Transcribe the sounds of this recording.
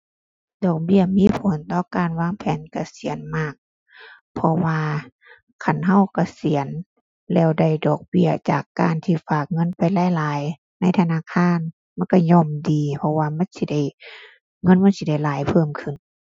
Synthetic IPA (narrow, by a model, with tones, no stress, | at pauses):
dɔː˨˩k̚bi˧˨ɐmiː˧˥˨pʰo˨˦nt̪ɔː˧˨kaː˨nwaː˧˥˨ŋpʰɛː˨˦nka˧˩si˨˦ə˦nmaː˧˩k̚ | pʰɔ˧waː˧ | kʰa˧˥˩nɦa˧˨wka˧˩si˨˦ən | lɛː˧˩˨wda˧˩jdɔː˨˩k̚bi˧˩ɐt͡ɕa̰ː˨˩kːaː˨nt̪ʰiː˧faː˨˩k̚ŋɤ˧˥˨npa˨jlaː˧˥˨jlaː˨˦j | na˧˥˨jt̪ʰa˧naː˧˥˨kʰaː˧˥˨n | ma˧˥˨nka˧˩ɲɔː˧˩mdiː˨pʰɔ˧waː˧ma˧˥˨nsi˧˦da˧˩j | ŋɤ˧˥˨nma˧˥˨nsi˧da˧˩jlaː˨˦jpʰɤː˧˩˨mkʰɯ˧˨˩n